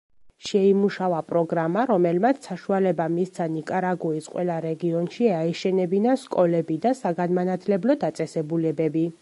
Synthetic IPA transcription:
ʃɛimuʃavapʼɾɔɡɾamaɾɔmɛlmat̪sʰsaʃualɛbamist̪sʰanikʼaɾaɡuisqʼwʔɛ̰lˠaɾɛɡiɔnʃiaɛʃɛnɛbinaʃkʼɔlɛbid̪asaɡanmanat̪ʰlɛblɔd̪at̪sʼɛsɛbulɛbɛbi

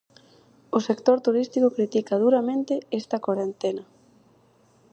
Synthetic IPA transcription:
ʊsekt̪oɾt̪uɾist̪ikokɾit̪ikað̞uɾamẽnt̪ɪest̪ɐkwaɾent̪enɐ

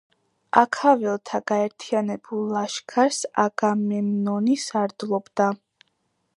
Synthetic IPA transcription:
akʰavɛlˠt̪ʰaɡ̥aɛɾt̪ʰianɛbulˠːaʃkʰaɾsa̰ɡamɛmnɔnisaɾd̪lˠɔbd̪a

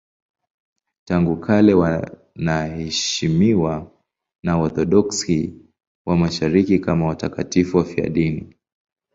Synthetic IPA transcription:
taŋɡukʰalɛwa | nahɛʃimiwa | naɔθɔɗɔksi | wamaʃaɾikikamawatakatifuwafia̰ɗini

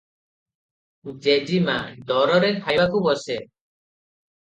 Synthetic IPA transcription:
d͡ʒɛʔd͡ʒimad̪ɔɾɔɾɛkʰajbakɔbɔsɛ

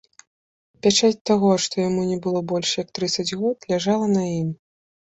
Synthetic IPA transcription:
pʲat͡ʂat͡sʲt̪aɣɔʂt̪ɔjamunʲɛbɨlˠɔbɔlʲʂjɐk̚t̪ɾɨt̪sɐd͡zʲɣɔt̪lʲaʐalˠɐnɐjim

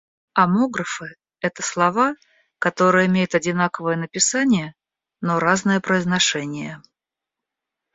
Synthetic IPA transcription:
ɐmo̞ɡɾəfɨ | ɛt̪əslˠɐva | kɐt̪o̞ɾɨjəɪmʲejɪt̪ɐdʲɪnakəvəjənəpʲɪsanʲɪjə | noɾaznəjəpɾəɪznɐʂɛnʲɪjə

